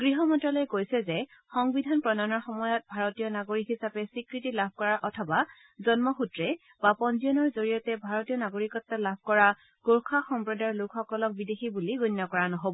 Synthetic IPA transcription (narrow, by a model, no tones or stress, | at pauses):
ɡ̥ɹiɦɔmɔntɔlojkojsɛzɛxɔŋbidʱanpɹɔnanɔɹxɔmɔjɔt̚bʱaɹotijɔnaɡoɹikɦisapɛsikɹitilab̚ʱkɔɹaɹʔɔtʰɔba | zɔnmɔxutɹɛ | bapɔnziɔnɔɹzoɹijɔtɛbʱaɹɔtijɔnaɡoɹikɔtːalabʱkɔɹa | ɡ̥oɹkʰaxɔmpɹɔdaɹlukxɔkɔlɔk̚bidexibuliɡunːɔkɔɹanɔɦobɔ